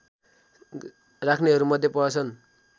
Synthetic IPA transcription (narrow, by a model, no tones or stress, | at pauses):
rakʰneɦʌɾumʌd̪ʱjepʌʌt͡sʰʌn